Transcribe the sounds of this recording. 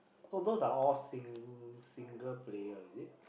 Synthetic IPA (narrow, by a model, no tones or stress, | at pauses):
sod̪ozaɔlsĩŋsĩŋɡəlplejəzi